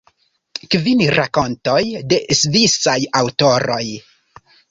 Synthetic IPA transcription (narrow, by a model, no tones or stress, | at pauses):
kvinɾako̞nto̞jde̞ʔsvisajawto̞ɾo̞j